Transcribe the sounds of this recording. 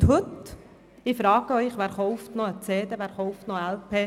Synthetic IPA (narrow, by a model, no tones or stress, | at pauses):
t̪hɵt̪ | ɪfɾɑːɡəœʏχʋæːɾχɔʊft̪nɔət͡seːd̪eʋæːɾχɔʊft̪noælpʰeː